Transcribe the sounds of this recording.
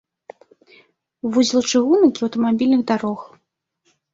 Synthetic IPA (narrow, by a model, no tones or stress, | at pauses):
vuzʲlˠɐt͡ʂɨɣunɨkʲiɐwt̪ɐmabʲilʲnɨɣd̪aɾɔx